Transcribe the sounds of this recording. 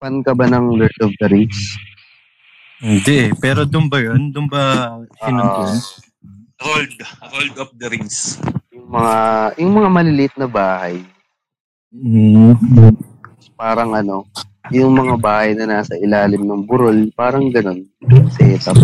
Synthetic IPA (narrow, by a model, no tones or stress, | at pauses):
pɐnkɐbanɐŋlɛt̪of̚d̪ɐɾɪŋs | hɪnd̪ɛʔɛpɛːɾo̞d̪ʊnbɐjond̪ʊnbɐoɪnʊ | ɾold̪ɾold̪ɐp̚d̪ɐɾɪŋsjʊŋmɐŋajʊŋmɐŋamɐlɪlɪʔɪt̪̚nɐbaːhɐj | paːɾɐŋʔɐno̞ | jʊŋmɐŋabaːhɐjnɐnaːsɐʔɪlaːlɪmnɐŋbʊɾo̞lpaːɾɐŋɡɐno̞n | sɛːt̪ɐ